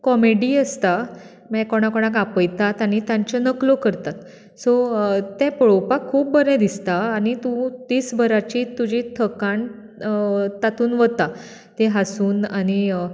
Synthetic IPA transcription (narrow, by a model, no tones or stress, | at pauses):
kɔmeɽiːəst̪a | mɛkoɽ̃akoɽ̃ak̬apəjt̪at̪aɽ̃it̪jãɲt͡ɕənəklokəɾt̪at̪ | sot̪ɛ̃pəɭowpakʰːuːp̚bəɾɛ̃d̪ist̪aːñit̪ũt̪iːsbʱəɾat͡ɕiːt̪ːud͡ʑit̪ʰəkaɳ | t̪at̪uːnʋət̪a | t̪eɦasuːnaɽ̃i